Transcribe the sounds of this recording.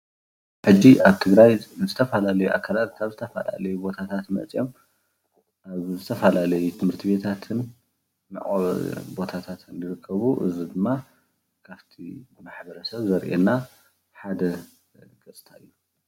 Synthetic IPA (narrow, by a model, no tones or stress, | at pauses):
ħɨd͡ʒːiʔaβt̪ʰɨɡɾajzɨt̪ʰɐfɐlalɐjuʔa̰kʰːalat̪̚kʰaβzɨt̪ʰɐfɐ̰la̰lɐjubo̞t̪ʰat̪ʰat̪mɐ̰t͡sʼijo̞m | ʔaβzɨt̪ʰɐfalalɐjut̪ʰɨmhɨɾt̪ʰibe̞t̪ʰat̪ʰɨnː | ɨ̰ʔʼobo̞t̪ʰat̪ʰat̪ʰɨnlɨɾɨkʰːɐβuʔɨzid̪ɨmːa | kʰaβt̪ʰimaħbɐɾɐsɐβzɐɾʔḛnːa | ħad̪ɐ | ɡʼɐt͡sʼt̪ʰaɨjːu